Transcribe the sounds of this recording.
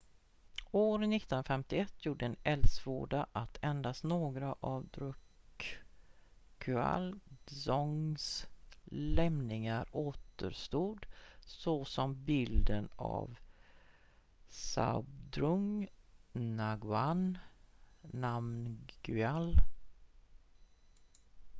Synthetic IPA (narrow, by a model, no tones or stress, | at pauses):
oːɾnɪt̪ːɔnafɛmt̪ɪɛt̪ʰːjuːɖəɛnɛld̪svo̰ːɖaʔat̪ʰɛnd̪asnoːɡɾaʔavd̪ɾɵk | kʰʉa̰lsɔŋs | lɛmnɪŋaɾoːt̪ə̰ɾʂt̪uːd̪sɔsɔmbɪld̪əna̰v | sa̰bd̪ɾɵŋ | naɡʉan | amnɡ̥ʉɛl